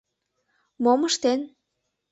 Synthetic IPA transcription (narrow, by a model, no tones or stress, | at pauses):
moməʃt̪en